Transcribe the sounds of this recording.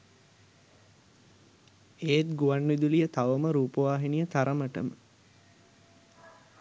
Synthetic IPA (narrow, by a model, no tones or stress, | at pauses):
eːt̪̚ɡuʋanʋid̪ulijət̪aʋəməɾuːpəʋaːɦinijət̪aɾəməʈə̰mə